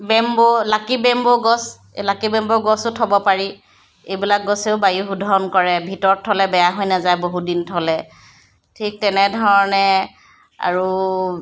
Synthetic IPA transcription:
bɛmbolakibɛmboɡɔs | lakibɛmbɔɡɔsʊtʰɔbɔpaɹi | ejbilak̚ɡɔseʊbajuxudʱɔɹɔnkɔɹɛbʱitɔɹɔtʰːɔlɛbɛjaɦojnazajboɦudintʰɔlɛ | tʰik̚tɛnɛdʱɔɹɔnɛ | a̰ɹu

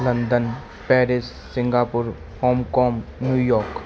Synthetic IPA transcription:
lə̃nd̪ən | pɛːɾɪsːɪ̃ŋɡaːpʊɾ | hɔːmkɔːmnjuːjɔːɾk

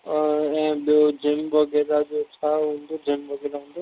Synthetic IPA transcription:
ɛ̃ːɓijod͡ʑɪmbɐɡeːd̪ad͡ʑot͡ɕʰaɦũːnd̪od͡ʑɪmbɐɡed̪aɦũːn̆d̪o

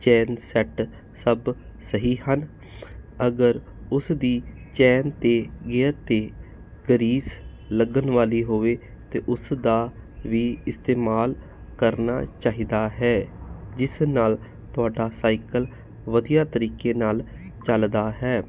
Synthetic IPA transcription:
t͡ʃɛːnsɛʈ | səb | səɦiːɦən | əɡəɾ | ʊsd̪iː | t͡ʃɛːnt̪eːɡɛːɾt̪eː | ɡəɾiːs | ləɡənʋaːliːɦoːʋeː | t̪eːʔʊsd̪aːʋiːɪst̪eːmaːl | kəɾna̰ːt͡ʃaːɦiːd̪aːɦɛːd͡ʒɪsnaːl | t̪ʊaːɖaːsaːiɪkəl | ʋəd̪ijaːt̪əɾiːkeːnaːl | t͡ʃəld̪aːɦɛː

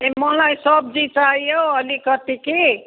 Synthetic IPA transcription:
emʌlajsʌb̚d͡ʒit͡ʃaɦijoʌlikʌt̪iki

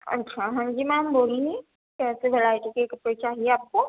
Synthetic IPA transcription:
ɐ̰tːʃʰaɦɐ̃nd͡ʒimamboːlii | kɛːseʋelaːɪʈikekɐpɽet͡ʃaːɦieaːp̚ko

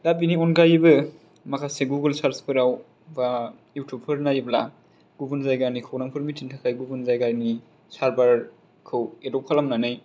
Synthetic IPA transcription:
lap̬iniɔnɡajibɯ | makʰaseɡuɡɯlsaɾspʰɯɾaw | ba | juwtʰup̚pʰɯɾnajibla | ɡ̥ubunzajɡanikʰawnaŋpʰɯɾmitintʰakʰajɡubunzajɡajni | saɾbaɾ | kʰɯwedɔp̚kʰalamnanɯj

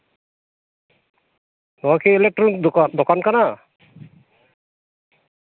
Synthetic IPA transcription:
nɔakʰiɛlɛk̚tɾɔnik̚d̪ɔkankana

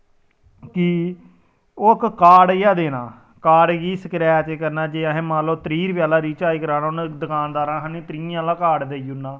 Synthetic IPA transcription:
ki | oːkkaːɽjaːd̪eːnaː | kaːɽɡiːsəkɾɛːat͡ʃeːkəɾnaːd͡ʒeːaːɦɛ̃ːmãːloːt̪əɾiːɾpjaːlaːɾiːt͡ʃaːiːkəɾaːnaːʊnd̪əkʰaːnd̪aːɾãːɦaːnĩːt̪ɾĩːãːlãːkaːɽd̪eːjunːaː

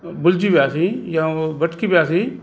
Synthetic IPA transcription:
bʊld͡ʒiːbɪjaːsiːjãːbəʈkiːbejaːsiː

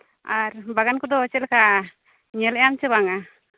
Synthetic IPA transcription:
aɾbaɡankɔd̪ɔt͡ʃɛlkʰa | ɲɛlɛjamt͡ʃɛβaŋa

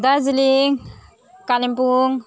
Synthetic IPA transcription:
d̪aziliŋ | kalimpuŋ

